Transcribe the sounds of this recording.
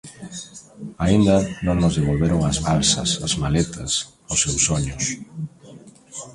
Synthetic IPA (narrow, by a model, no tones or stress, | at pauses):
aind̪ɐnõŋnʊzðeβ̞olβeɾoŋazβalsɐ̰sazmalɛt̪ʰɐs | osewsːoɲʊs